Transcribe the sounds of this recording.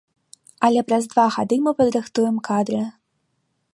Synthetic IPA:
ɐlʲɛpɾɐzd̪vaɣad̪ɨmɨpɐd̪ɾɨxt̪ujɛmkad̪ɾɨ

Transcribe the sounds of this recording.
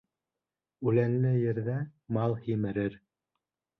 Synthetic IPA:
ʉlænlɘjɘ̆ɾðæmɑlˠhimɘ̆ɾɘɾ

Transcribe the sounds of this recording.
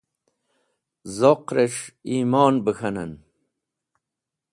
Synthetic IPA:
zoqɾeʂiːmɑːnbəxʰɐnɐ̰n

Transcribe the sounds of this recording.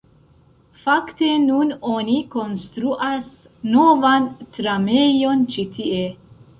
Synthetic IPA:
fakte̞nunoniko̞nst̪ɾuʔas | no̞vantɾamejo̞nt͡ʃitie

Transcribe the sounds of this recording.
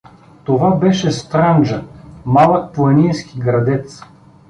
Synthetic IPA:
t̪ovabɛʃɛst̪ɾand͡ʒɐmalˠək̚plˠɐnijskʲiɡɾɐd̪ɛt̪s

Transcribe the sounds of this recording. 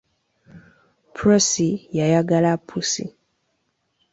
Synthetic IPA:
pɾɔsijajaɡalapʰusḭ

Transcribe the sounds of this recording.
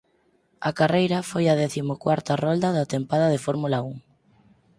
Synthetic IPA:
ɐkarejɾɐfojɐðɛθimʊkwaɾt̪ɐrɔld̪ɐðat̪empaðɐðefɔɾmulauŋ

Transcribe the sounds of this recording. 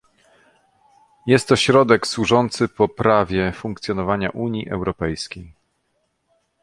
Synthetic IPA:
jɛst̪ːɔɕɾɔd̪ɛkswuʐɔnt̪sɘpɔpɾavʲjɛfuŋkt̪sʲjɔnɔvaɲa̰ʔuɲjiʔɛ̰wɾɔpɛjskʲej

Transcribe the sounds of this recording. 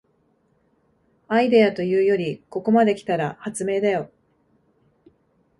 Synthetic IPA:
aid̪e̞at̪o̞jɯ̟ːjo̞ɾʲiko̞ko̞mad̪e̞kʲi̥t̪aɾahat͡sɨme̞ːd̪ajo̞

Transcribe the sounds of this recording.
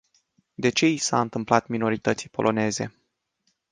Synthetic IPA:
d̪e̞t͡ʃe̞isa̰ɨnt̪ɨmplat̪mino̞ɾit̪ət̪sijpo̞lʔo̞ne̞ze̞̰

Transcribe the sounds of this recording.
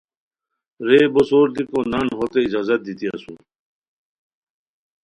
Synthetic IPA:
ɾeːbosoːɾd̪ikonɐnɦoːt̪eid͡ʑaːzɐt̪̚d̪it̪iɐ̰su

